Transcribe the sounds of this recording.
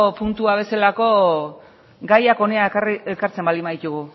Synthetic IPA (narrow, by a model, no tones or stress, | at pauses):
punt̪uaβ̞e̞selako̞ | ɡajako̞neaekaɾt͡se̞mbalimaðit̪uɣu